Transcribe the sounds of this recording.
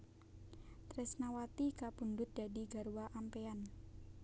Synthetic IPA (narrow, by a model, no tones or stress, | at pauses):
t̪ɾɛsnawat̪ikapundʊt̪̚d̥adiɡa̤ɾuwaʔampean